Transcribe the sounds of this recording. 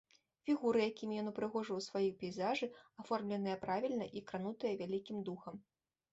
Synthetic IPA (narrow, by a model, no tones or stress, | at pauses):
fʲiɣuɾɨjakʲimʲijɔnupɾɨɣɔʐɨwsvajipʲɛjzaʐɨafɔrmlʲɛnɨjɐpɾavʲilʲnɐʔikɾanut̪ɨjɐvʲalʲikʲimd̪uxɐm